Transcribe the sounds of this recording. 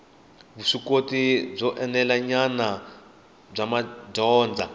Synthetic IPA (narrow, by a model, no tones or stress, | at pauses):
βuʂikotib͡ʐɔʔɛnɛlaɲana | b͡ʐamaɟɔːnd͡za